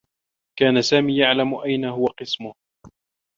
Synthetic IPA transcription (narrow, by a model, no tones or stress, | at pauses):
kaːnasaːmiːjaʕlamʊʔajnaɦʊwaqɨsmʊh